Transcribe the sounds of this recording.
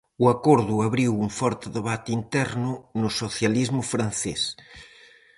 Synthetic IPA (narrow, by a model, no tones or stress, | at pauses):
uakoɾðʊaβɾiwuɱfɔɾt̪ɪðeβat̪ɪint̪ɛɾnʊnʊsoθjalizmʊfɾan̟θes